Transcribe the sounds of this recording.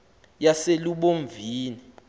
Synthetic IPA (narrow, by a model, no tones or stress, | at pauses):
jaseluɓoɱvʱiːni